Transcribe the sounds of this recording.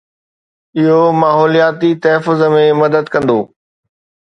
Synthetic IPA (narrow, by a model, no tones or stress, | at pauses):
ɪɦomaːɦɔːlijaːt̪it̪ɐɦfʊzəmẽmɐd̪əd̪kɐ̃nd̪oː